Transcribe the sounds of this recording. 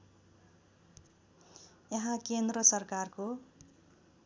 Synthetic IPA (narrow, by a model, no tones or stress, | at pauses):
jʌɦãkend̪rʌsʌrkarko